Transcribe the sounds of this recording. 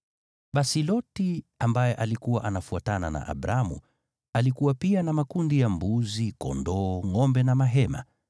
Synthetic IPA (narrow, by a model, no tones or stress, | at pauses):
ɓasilɔtiambajɛʔalikuwaʔanafuatana̰na̰ʔa̰ɓɾamṵ | alikuwapianamakundijambuzikɔ̰ndɔːŋɔmbɛnamaɦɛma̰